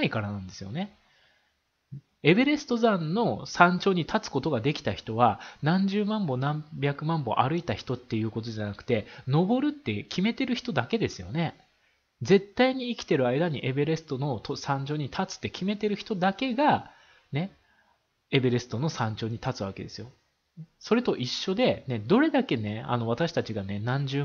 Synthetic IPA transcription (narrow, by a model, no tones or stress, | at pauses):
aikaɾanãnd̪e̞sɨjo̞ne̞ | e̞be̞ɾe̞sɨ̥t̪ozãnːo̞sãɲ̟t͡ɕo̞ːɲ̟it̪ʰat͡sɨ̥ko̞t̪o̞ɡad̪e̞kʲi̥t̪açi̥t̪o̞βanãɲ̟d͡ʑɨːmãmbo̞nãmbʲakɯ̟mãmbo̞̰ʔaɾɯ̟it̪açi̥t̪o̞t̪ːe̞jɯ̟ːko̞t̪o̞ʑanakɯ̟̥t̪e̞no̞bo̞ɾɯ̟t̪ːe̞kʲime̞t̪e̞ɾɯ̟çi̥t̪o̞d̪ake̞d̪e̞sɨjo̞̰ne̞ | d͡ze̞t̪ːaiɲ̟iːkʲi̥t̪e̞ɾɯ̟aid̪aɲ̟iʔe̞beɾe̞sɨ̥t̪o̞no̞t̪ʰosãɲ̟d͡ʑo̞ːɲ̟it̪ʰat͡sɨ̥t̪ːekʲime̞t̪e̞ɾɯ̟çi̥t̪o̞d̪ake̞ɡa | ne̞ | e̞beɾe̞sɨ̥t̪o̞no̞sãɲ̟d͡ʑo̞ːɲ̟it̪at͡sɨβake̞d̪e̞sɨjo̞ | so̞ɾe̞t̪o̞ʔiɕːo̞d̪e̞ne̞d̪o̞ɾe̞d̪ake̞ne̞a̰no̞β̞at̪aɕi̥t̪at͡ɕiɡane̞nãɲ̟d͡ʑɨː